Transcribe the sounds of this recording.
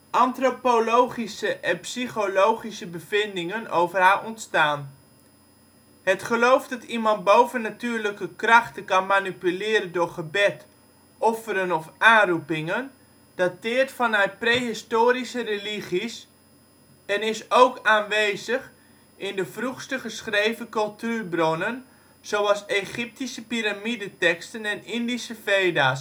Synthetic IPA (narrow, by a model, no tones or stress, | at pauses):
ʔɑntropolowχisəʔɛnpsiχolowχisəbəvɪndɪŋənowvərɦaːʔɔntstaːn | hətχəlowfdɑtimɑnt̚bowvənːatyːɹləkəkrɑχtəkɑnmanipylɪːɾəndʊːɹχəbɛt | ɔfəɾənɔfʔaːnrupɪŋən | d̥atɪːrtfɔnɛɥt̚prejɦɪstoːɾisəreliχis | ɛnɪsowkaːnʋeːzəx | ɪndəfruχstəχəsχrejvəkɵlˠtyːrbronən | z̥owɑseχɪp̚tisəpiɾamidətɛkstənɛnɪndisəfeːdaːs